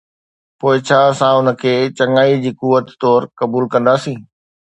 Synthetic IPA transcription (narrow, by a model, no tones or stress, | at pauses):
poːɪt͡ɕʰaːsãʊnə̆kʰeːt͡ɕɐŋaːid͡ʑiːkuʋət̪ːɔːɾkɐbuːlkɐ̃nd̪aːsĩː